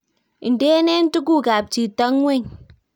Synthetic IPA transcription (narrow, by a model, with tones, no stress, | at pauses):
i˨n˨de˦ne˦n̩˦tu˦ɡ̬u˦˨ɡa˨p̚t͡ʃi˨tɔ˦ŋ˦we˦˨ɲ